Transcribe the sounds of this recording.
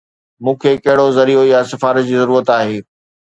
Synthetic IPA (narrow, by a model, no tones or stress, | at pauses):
mũːkʰekɐɦɪɽozɐɾiojasɪfaːɾət̪̚d͡ʑiːzɐɾuːɾət̪aːɦeː